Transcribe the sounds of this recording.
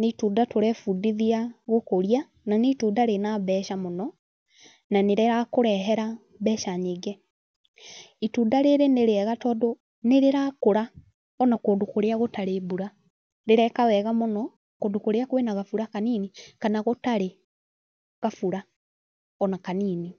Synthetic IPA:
netuːndatoɾɛfudiðiaɣokoɾia | nanetuːdaɾenaβɛːʃamonɔ | naneɾɛɾakoɾɛɦɛɾa | βɛːʃaɲeɡɛ | ituːdaɾeɾeneɾeɛɣatɔːdo | neɾeɾakoɾa | ɔnakoːndokoɾeaɣotaɾebuɾa | ɾeɾɛkawɛɣamonɔ | koːndokoɾeakowenaɣafuɾakaniːnikanaɣotaɾe | ɣafuɾa | ɔnakaniːni

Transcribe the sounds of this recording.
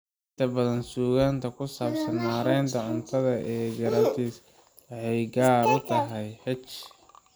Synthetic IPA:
ʔɪnt̪ʰɐbɐðɐnsuːɣaːnt̪ʰɐkʰʊsaːbsɐnɦaːɾɛjnt̪ʰɐʕʊnt̪ʰɐðɐʔɛːɡɐɾat̪ʰis | wɑħɛjɡaːɾʊt̪ʰɐɦɛjħɛt͡ʃ

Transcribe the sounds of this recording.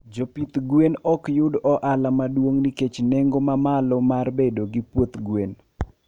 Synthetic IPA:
d͡ʒopit̪ɡwenɔkjʊdɔʔalamadwoŋniket͡ʃneŋɡomamalɔmarbedoɡipwot̪ɡwen

